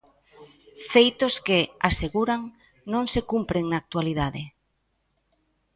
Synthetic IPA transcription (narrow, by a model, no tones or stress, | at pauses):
fejt̪oskeaseɣuɾaŋ | nõŋsekumpɾeŋnaːk̚t̪waliðaðe